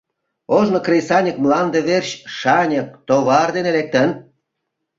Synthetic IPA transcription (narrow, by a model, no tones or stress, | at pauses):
oʒnŏkrʲesɑnʲəkmlɑnd̪eβerɕʃɑnʲək̚t̪oβɑrd̪enelek̚t̪ən